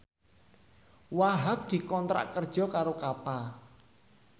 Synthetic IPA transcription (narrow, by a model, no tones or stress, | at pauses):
waɦap̚d̪̥i̤kɔnt̪ɾa̰ʔkərd̥ʒ̥ɔ̤kaɾokapa